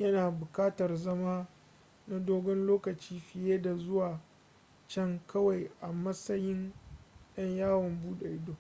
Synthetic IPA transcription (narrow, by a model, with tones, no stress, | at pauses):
jɐ˦naː˨bʊ˨kaː˦tɐ˨rzɐ˦maː˦ | na˦doː˦ɡɔ˦nloː˦kɐ˨t͡ʃiː˦ɸɪ˨jeː˦da˨zʊ˦waː˨ | t͡ʃɛ˦ŋkɐ˦wa˨jʔa˨mɐ˦sɐ˦jɪ˦nj̰ɐ˦ɲjaː˦wɔ˨mbuː˦ɗa˨ʔɪ˦doː˦˨